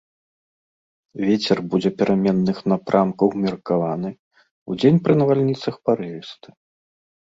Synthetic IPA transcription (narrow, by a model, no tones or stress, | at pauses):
vʲet͡sʲɛrbud͡zʲɛpʲɛɾʔamʲɛnːɨxnapɾʔamkɐwmʲɛrkavanɨ | ud͡zʲenʲpɾɨnɐvalʲnʲit̪sɐxpaɾɨvʲɛst̪ɨ̥